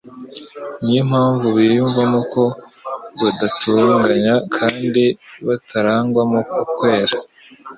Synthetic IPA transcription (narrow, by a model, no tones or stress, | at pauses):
ɲim̥haːɱvuβijuɱvamoko̞βadatʰuːŋɡaɲakʰaːndiβatʰaɾaːŋɡwamokukwe̞ːɾa